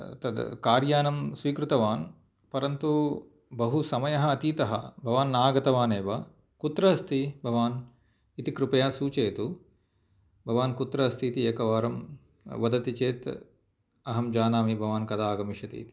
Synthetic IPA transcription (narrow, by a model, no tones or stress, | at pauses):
t̪ɐd̪kaːɾjaːnɐmsʋiːkɾut̪ɐʋaːn | pɐɾɐnt̪u | bɐɦusɐmɐjɐɦɐːt̪iːt̪ɐɦɐ̰bʱɐʋaːnːaːɡɐt̪ɐʋaːneːʋɐ | kut̪ɾɐɐst̪ibʱɐʋaːn | it̪ikɾupɐjaːsuːt͡ʃeːt̪u | bʱɐʋaːnkut̪ɾɐɐst̪iːt̪ieːkɐʋaːɾɐm | ʋɐd̪ɐt̪it͡ʃeːt̪ | ɐɦɐmd͡ʒaːnaːmibʱɐʋaːnkɐd̪aːɡɐmiʃɐt̪ḭːt̪i̥